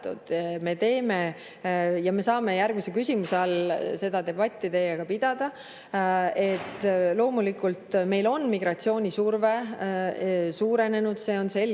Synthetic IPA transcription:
t̪ṵd̪̥me̞t̪e̞ːme̞ | jɑme̞sɑːme̞jærɡ̥misekysʲimuseɑlse̞d̪̥ɑd̪e̞bɑt̪ʲːˑit̪e̞ːjɑɡ̥ɑpid̪̥ɑd̪̥ɑ | e̞t̪ːˑlo̞ːmulikult̪me̞jlo̞nmiɡ̥rɑtsio̞ːnʲisurve̞ | suːɾe̞ne̞nud̪̥se̞ːo̞nse̞l

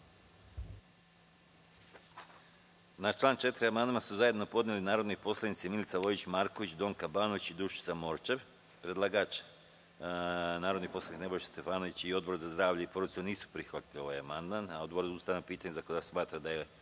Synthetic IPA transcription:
nat͡ʃlˠaːnt͡ʃe̞t̪ɾiamand̪masuzaje̞d̪nopo̞d̪nelinaːɾo̞d̪nojpo̞slˠanit̪similt̪saʋo̞it͡ɕmaːɾkoʋit͡ɕd̪o̞ːŋkabaːnoʋit͡ɕid̪uʃi̥t̪samoɾt͡ʃe̞ʋ | pɾe̞d̪lˠaɡaːt͡ʃ | naːɾod̪nipo̞slanikne̞bo̞jʃst̪e̞faːno̞ʋit͡ɕio̞d̪bo̞ɾzazd̪ɾaːʋʎaipoɾoisoniːsu̥pɾixʋat̪ilio̞ʋajamand̪manaod̪boɾd̪ust̪aːjnopiːt̪aɲezakod̪asmaːt̪ɾad̪ajje

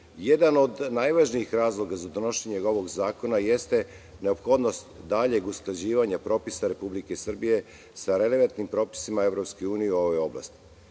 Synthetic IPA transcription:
jed̪ano̞d̪najʋaʒniixɾaːzlˠo̞ɡazad̪ono̞ʃeɲeo̞ʋo̞ɡzaːko̞naje̞st̪e | ne̞opxo̞d̪no̞st̪d̪aʎe̞ɡusklˠad͡ʑiːʋaɲapɾo̞pisaɾe̞publikesr̩bije | saɾe̞le̞ʋant̪nimpɾo̞ːpi̥simae̞vɾo̞pskojuːnijeo̞ʋojo̞bla̰st̪i̥

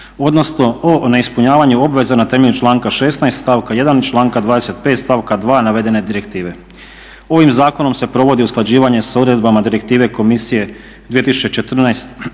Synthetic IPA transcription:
o̞d̪no̞sno̞one̞ispuɲaːʋaɲuo̞bʋe̞zanat̪e̞me̞ʎut͡ʃlˠaːŋkaʃe̞snajst̪st̪aːʋkaje̞d̪ant͡ʃlˠaːŋkad̪ʋaːd̪ese̞t̪̚pet̪st̪aːʋkad̪ʋaːnaʋe̞d̪e̞ne̞d̪iɾe̞kt̪iːʋe̞ | o̞ʋimzaːko̞no̞mse̞pɾo̞ʋo̞d̪iusklˠad͡ʑiːʋaɲe̞saud̪ɾe̞d̪bamad̪iɾe̞k̚t̪iːʋe̞ko̞misije̞ | d̪viet̪isu̥t͡ɕet͡ʃe̞t̪r̩najst̪

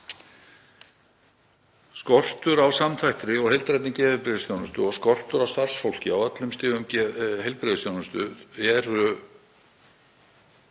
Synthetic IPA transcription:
skɔr̥t̪ʏɾawsamθajht̪ɾɪɔɣhejlt̪ɾajt̪nɪcɛːvɪpɾɪðɪsjownʏst̪ʏɔɣskɔr̥t̪ʏɾawst̪ar̥sfowl̥cɪawœt̪lʏmst̪ɪːvʏmɦejlpɾɪðɪst̪jownʏst̪ʏ̰ðɛɾʏ

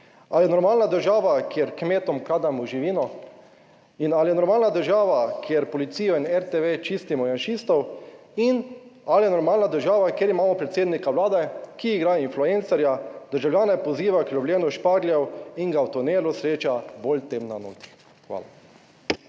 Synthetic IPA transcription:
aljɛnɔɾmaːlnad̪əɾʒaːʋakjeɾkmeːt̪ɔmkaːd̪amuʒiʋiːnɔ | inaljɛnɔɾmaːlnad̪əɾʒaːʋakʰjeɾpɔlit̪siːjɔinɛɾt̪eʋet͡ʃist̪imɔjanʃist̪ɔw | inaljɛnɔɾmaːlnad̪əɾʒaːʋakjeɾimaːmɔpɾɛt̪seːd̪nikawlaːd̪ɛkiːɡɾaːjinfluent̪sɛɾjad̪̥əɾʒawljaːnɛpɔziːʋaklʲɔbljeːnuʃpaɡljɛwiŋɡawt̪ɔneːlusɾeːt͡ʃabolt̪emnano̰ːt̪i̥ | xʋa̰ːla

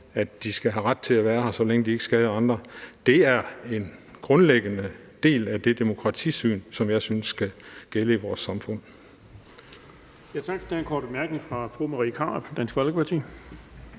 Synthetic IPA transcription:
æd̥d̥isɡ̥æɦæʁad̥̚t͡sʰe̝læʋæːɐhɑ̈sɒ̽leŋəd̥ie̝ɡ̥sɡ̥ɛð̞ˠɐɑ̈nd̥ʁɐd̥e̝æɐe̝nɡ̥ʁɔ̽nleɡ̥ənə | d̥e̝̰ːlæd̥e̝d̥e̝mo̝kʰʁɑ̈t͡sʰḭːsy̰ːnsɒ̽mjɑ̈ɪsynsːɡ̥æɡ̥eləiʋɒːsːɑ̈mfɔ̽n̰ | jæt͡sʰɑ̈ɡ̥d̥enkʰɔːdb̥emæɐɡ̥neŋfʁɑ̈fʁumɑʁikʰɑ̈ːb̥d̥æn̰sɡ̥ʋɒlɡ̥əpʰɑ̈t͡sʰḭː

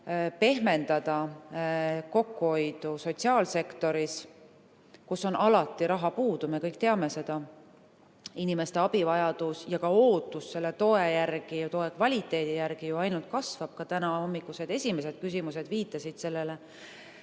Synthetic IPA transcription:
pe̞ɦme̞nd̪̥ɑd̪̥ɑ | ko̞kːuho̞jd̪̥uso̞t̪ʲsiɑːlse̞kt̪o̞ɾis | kusːo̞nʔɑlɑt̪ːˑiɾɑɦɑpuːd̪̥ume̞kɤjk̚ˑt̪eɑme̞se̞d̪̥ɑ | inime̞st̪e̞ɑb̥ivɑjɑd̪̥usjɑkɑo̞ːt̪ːˑusːe̞lːet̪o̞e̞jærɡ̥ijɑt̪o̞e̞kvɑlʲit̪ːˑe̞ːd̪̥ijærɡ̥ijuɑjnult̪̚kɑsvɑb̥̚kɑt̪ænɑho̞mːikːˑuse̞d̪e̞sʲime̞se̞d̪̥kys̬ʲimuse̞d̪̥viːt̪ːˑɑsid̪̥se̞lːe̞le

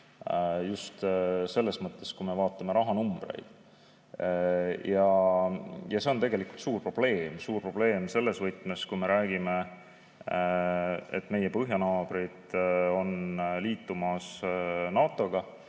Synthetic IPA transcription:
just̪se̞lːe̞smɤt̪ːˑe̞skume̞vɑːt̪ːˑɑme̞ɾɑɦɑnumb̥rḛjd̪̥ | jɑ | jɑse̞ont̪e̞ɡe̞likult̪suːrpro̞b̥le̞ːmsuːrpro̞b̥le̞ːmse̞lːe̞svɤjt̪ˑmeskume̞ɾæːɡime̞ | ḛt̪ːˑme̞je̞pɤɦjɑnɑːb̥ɾid̪̥o̞nliːt̪ːumɑsnɑːt̪ˑːo̞ɡ̥ɑ

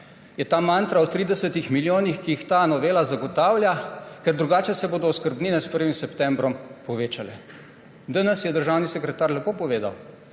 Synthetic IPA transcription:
jɛt̪aːmaːnt̪ɾaɔt̪ɾiːd̪ɛsət̪ixmiljoːnixkiixt̪aːnɔʋeːlazaɡɔt̪aːwlʲjakɛɾd̪ɾuɡaːt͡ʃɛsɛboːd̪ɔɔskəɾbniːnɛspəɾʋimsɛpt̪ɛmbɾɔmpɔʋeːt͡ʃalɛ | d̪ənɛsjɛd̪əɾʒaːwnisɛkɾɛt̪aːɾlɛpoːpɔʋeːd̪a̰w

